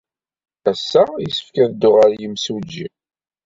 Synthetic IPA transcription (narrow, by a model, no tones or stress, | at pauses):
æsːæisə̥fkænd̪ːʊʁəɾjəmsud͡ʒːḭ